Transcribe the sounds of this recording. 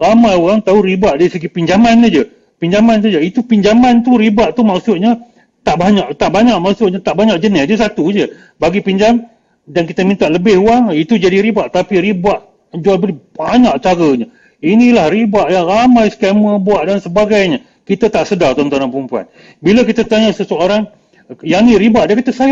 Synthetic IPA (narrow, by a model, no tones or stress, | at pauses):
ramajuaŋt̪auɾibaʔdaɾisəɡipiɲd͡ʒamanad͡ʒə | piɲd͡ʒamans̬ad͡ʒəit̪upiɲd͡ʒamãnt̪uɾibaʔt̪umaʔsʊt̪̚ɲa | t̪aʔbaɲaʔt̪aʔbaɲaʔmaʔsʊt̪̚ɲat̪aʔbaɲaʔd͡ʒənɪsdiəsat̪ud͡ʒə | baɡipiɲd͡ʒaŋ | dank̬it̪əmĩnt̪aʔləbɪhuaŋit̪ud͡ʒadiɾibaʔt̪apiɾibaʔ | d͡ʒualbəlib̥aɲaʔt͡ʃaɡəɲa | inilahribaʔjaŋramajskɛməbuaʔdansəbaɡajɲa | kit̪at̪aʔsədart̪ont̪anapəɾumpua̰n | biləkit̪ət̪aɲasəsəoɾaŋ | janiɾibaʔdakit̪asaj